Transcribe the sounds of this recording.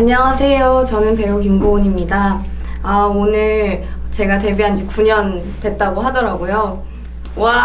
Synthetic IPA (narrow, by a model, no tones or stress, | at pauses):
aɲːʌŋasʰe̞jot͡ɕʌnɯnpe̞okimɡoɲimɲida | aonɯɭt͡ɕe̞ɡate̞biɦand͡ʑikuɲʌn | twe̞t̚t͈aɡoɦadʌɾaɡojo | wa